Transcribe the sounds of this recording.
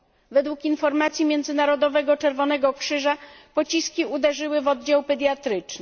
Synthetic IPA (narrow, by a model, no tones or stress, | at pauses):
vɛd̪wukinfɔɾmat̪sʲjimʲjɛnd̪zɘnaɾɔd̪ɔvɛɡɔt͡ʂɛɾvɔn̪ɛɡɔkʂɘʐapɔt͡ɕiskʲiud̪ɛʐɘwɘvɔd̪d͡ʑawpɛd̪jat̪ɾɘt͡ʂnɘ